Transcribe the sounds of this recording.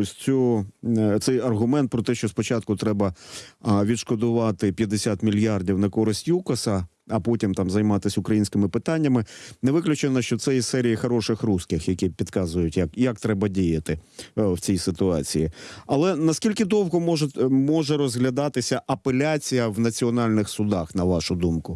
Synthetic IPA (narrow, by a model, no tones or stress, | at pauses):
ɔsʲt͡sʲɔɔt̪sɛjɐrɦʊmɛnt̪̚pɾɔt̪ɛʃt͡ʃɔspɔt͡ʃɑt̪̚kʊt̪ɾɛbɐ | ʋʲid̪ʃkɔd̪ʊʋɑt̪ɪpʲjɐd̪esʲat̪mʲilʲjardʲiwnɐkɔɾɪsʲtʲjukɐsɐ | ɐpɔtʲimt̪ɑmzɐjmɑt̪ɪsʲʊkɾɐjinʲsʲkɪmɪpɪt̪ɑnʲːɐmɪnɛʋɪklʲʊt͡ʃenɐʃt͡ʃɔt̪sɛjisɛɾʲijixɐɾɔʃɪxruskɪxjɐkʲipʲid̪kɑzʊjʊtʲjakjak̚t̪ɾɛbɐdʲijɐt̪ɪwt͡sʲijsɪt̪ʊɑt͡sʲijiɐlˠɛnɐskʲilʲkɪd̪ɔwɦɔmɔʒmɔʒɛɾɔzɦlʲɐd̪ɑt̪ɪsʲɐʔɐpelʲat͡sʲijɐwnɐt͡sʲiɔnɑlʲnɪxsʊd̪ɑxnɐʋɑʃʊd̪umkʊ